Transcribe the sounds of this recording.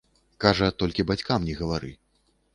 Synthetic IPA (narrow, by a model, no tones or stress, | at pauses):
kaʐɐt̪ɔlʲkʲibat͡sʲkamnʲɛɣɐvaɾɨ̰